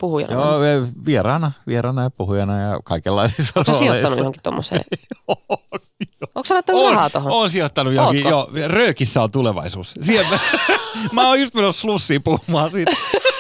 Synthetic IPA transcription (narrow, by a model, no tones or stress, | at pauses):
puhujɑ̰njo̰eʋierɑːnɑʋieɾɑːnɑjɑpuhujɑnɑjɑ̰kɑikelːɑisisːɑrossioeiɑnujohõŋkitt̪o̰mːo̰sḛːjo | jooːksɑnot̪ːɑnoːhɑːt̪ohonoːnsiot̪ːɑnujohoijorøːkisːæont̪uleʋɑ̰isuːssiemme | mæoːjust̪menosslusːiːpuhumɑːsiːt̪